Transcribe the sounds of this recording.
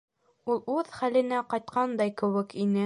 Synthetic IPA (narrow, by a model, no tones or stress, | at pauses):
ulˠʉðχælɘ̆næqɑjt̪̚qɑnd̪ɑjkɘ̆wɘkinɘ